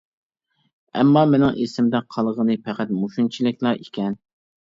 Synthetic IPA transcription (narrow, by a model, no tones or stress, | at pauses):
ɛ̰mːɑmenɪŋʔesɪmd̪ɛqʰɑlˠʁənɨpʰɛqæt̪muʃunt͡ʃʰilˠɪkʲlˠɑʔikʲʰɛn